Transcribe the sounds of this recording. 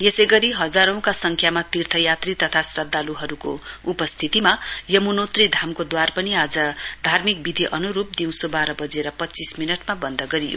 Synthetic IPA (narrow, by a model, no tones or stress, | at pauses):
jesejɡʌɾiɦʌd͡zaɾʌ̃w̃kasʌŋkʰjamat̪irt̪ʰʌjat̪rit̪ʌt̪ʰasrʌd̪ːaluɦʌɾuko̰upʌst̪ʰit̪imajʌmunot̪rid̪ʱamkod̪warpʌniad͡zʌd̪ʱarmik̚bid̪ʱiʔʌnuɾup̚d̪iw̃sobaɾʌbʌd͡zeɾʌpʌtːt͡sisminʌʈmabʌnd̪ʱʌɡʌɾijo̰